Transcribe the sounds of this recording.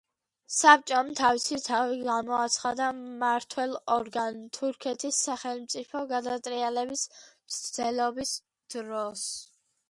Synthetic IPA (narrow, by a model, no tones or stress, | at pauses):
sap̚ʰt͡ʃʼɔmt̪ʰavisit̪ʰaviɡamɔat̪sʰχad̪amaɾt̪ʰwɛlˠɔɾɡant̪ʰuɾkʰɛt̪ʰisːaχɛlˠmt̪sʼipʰɔɡad̪at̪ʼɾialɛbis | sd̪ɛlɔbis | d̪̥ɾɔs